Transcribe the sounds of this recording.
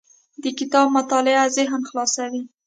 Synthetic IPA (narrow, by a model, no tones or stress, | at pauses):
d̪əkɪt̪ɑb̚mat̪ɑlɪazɪɦnxlɑsawi